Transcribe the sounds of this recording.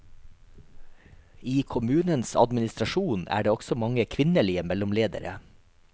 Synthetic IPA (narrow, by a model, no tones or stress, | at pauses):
iːkʰʊmʉːnənsɑ̰d̪mɪnɪst̪ɾɑʃuːnæ̰ːɖeːɔɡsɔmɑŋəkʰʋɪnəliːəmɛlʊmleːd̪ə̰ɾə̰